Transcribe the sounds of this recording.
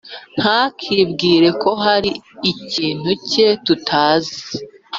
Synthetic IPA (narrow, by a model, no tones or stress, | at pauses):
n̥hakʰibɡiːɾe̞kʰo̞ɦaɾiːciːn̥huce̞tutʰaːzi